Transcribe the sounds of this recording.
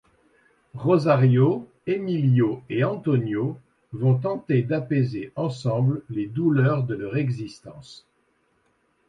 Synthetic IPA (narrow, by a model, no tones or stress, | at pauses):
ʁozaʁjo | emiljoeɑ̃t̪ɔnjo | vɔ̃t̪̬ɑ̃t̪ed̪apezeʔɑ̃sɑ̃blled̪ulœʁd̪əlœʁɛɡzist̪ɑ̃s